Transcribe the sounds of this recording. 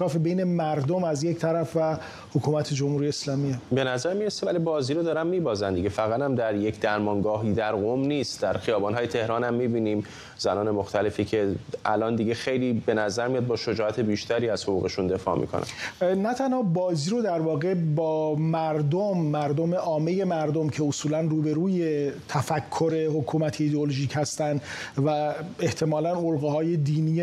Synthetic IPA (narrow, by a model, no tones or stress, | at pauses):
ɒːfebejne̞mæɾd̪omæzject̪ʰæɾæfvæ | hokʰuːmæt̪ʰed͡ʒomhuɾijeːslɒːmiebe̞næzæɾmiɾesevælibɒːziːɾod̪ɒːɾæmːiːbɒːzænd̪iɡɟefæɣæt̪æmd̪æɾjecʰd̪æɾmɒŋɡɒːɦid̪æɾɣomniːst̪d̪æɾxijɒːbɒnɦɒːjet̪ʰe̞hɾɒːnhæmːiːbiːniːm | z̥ænɒːnemoxt̪ʰæle̞ficʰe̞ʔæ̰lʔɒːnd̪iɟexejliːbe̞næzæɾmijɒd̪̚bɒːʃo̞d͡ʒɒːʔæt̪ʰe̞biːʃt̪ʰæɾiːæz̥hoɣṵːɣe̞ʃund̪e̞fɒ̰ːmḭkʰo̰næ̰nnæt̪ʰænhɒːbɒːziːɾod̪æɾvɒːɣe̞bɒːmæɾd̪omːæɾd̪ome̞ʔɒːme̞je̞mæɾd̪omcʰe̞osuːlænruːbe̞ɾuːje̞t̪ʰæfækʰːo̞ɾe̞hokʰuːmæt̪ʰeid̪eoloʒiːchæst̪ænd̪væe̞ht̪ʰe̞mɒːlænolɣehɒːje̞d̪iːnij